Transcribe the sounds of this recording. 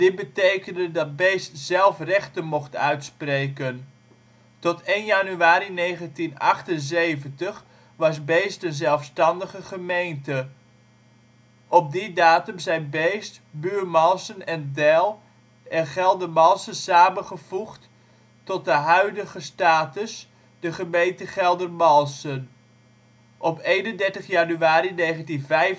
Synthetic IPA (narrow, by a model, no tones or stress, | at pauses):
d̥ɪt̚bətejkəndədɑd̚bejstz̥ɛlˠfrɛχtənmɔχtœɥtsprejkən | tɔtejnjanyaːɾinejχəntinɑχtənzejvəntəχ | ʋɑsbejstənzɛlˠfstɑndəχəχəmejntə | ʔɔp̚didaːtəmzɛjnbejstbyːɹmɑlˠsənɛndɛlˠ | ɛnχɛlˠdərmɑlˠsəsaːmənχəv̥uχt | tɔt̚dəɦœɥdəɣəstaːtəs | d̥əχəmejntəχɛlˠdərmɑlˠsən | ʔɔpejnəndɛɹtəχjanyaːɾinejχəntinvɛjf